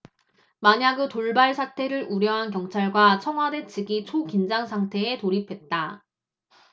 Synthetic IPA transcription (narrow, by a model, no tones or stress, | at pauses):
maɲaɡɯtoɭbaɭsʰatʰe̞ɾɯɾuɾjʌɦankjʌŋt͡ɕʰaɭɡwat͡ɕʰʌŋɦwade̞t͡ɕʰiɡit͡ɕʰokind͡ʑaŋsʰaŋtʰe̞ːtoɾipʰe̞t̚t͈a